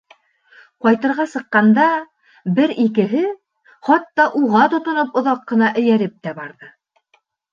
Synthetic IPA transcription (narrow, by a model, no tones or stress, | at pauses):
qɑjt̪ɤ̆ɾʁɑsɤ̆qːɑnd̪ɑ | bɘɾikɘ̆ɦɘ | χɑt̪ːɑʔuʁɑt̪ŏt̪ŏnopŏðɑqːɤ̆nɑʔɘ̆jæɾɘp̚t̪æbɑɾðɤ